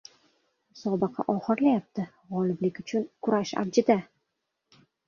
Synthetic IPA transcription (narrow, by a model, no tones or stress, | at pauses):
sɒbɨqʰɑ̰ʔɒχɨɾlajap̚t̪ʰɪ | ʁɒlɪblɪkʲʊt͡ʃʰʊnkʰʊɾaʃa̰ɾd͡ʒɪd̪a